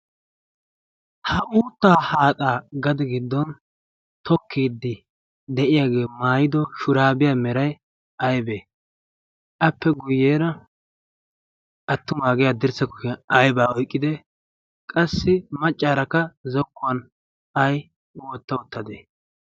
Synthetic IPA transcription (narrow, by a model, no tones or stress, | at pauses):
hɐʔuːt̪ːaːhaːtʼaːɡɐd̪ɛɡɪd̪ːɔn | t̪ʰɔkːiːd̪ːɪ | d̪ɛʔɪjaːɡe̞ːmaːjɪd̪ɔʃʊɾaːbɪjaːmɛɾɐj | ɐjbeː | ʔɐpːɛɡʊjːeːɾɐ | ɐt̪ːʊmaːɡɛjad̪ɪɾsɛkːɔkɛɐjbaːɔjkʼːɪd̪ɛ | kʼɐsːɪmɐt͡ʃʼːaːɾɐkːɐzɔkːʊɐn | ɐj | wɔt̪ːɐʊt̪ːɐd̪eː